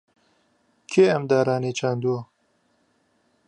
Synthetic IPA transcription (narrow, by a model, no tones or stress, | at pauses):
kʰeːɐmd̪aːɾaːneːt͡ʃʰaːnd̪uo